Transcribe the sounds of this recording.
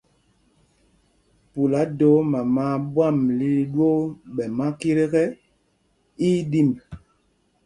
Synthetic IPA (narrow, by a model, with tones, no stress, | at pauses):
pu˨la˨˦do˨˦ma˨ma˦ɓwa˦˨mli˦ɗwo˦ɓɛ˨ma˦ki˦ɾe˦kɛ˦ | i˦di˦˨m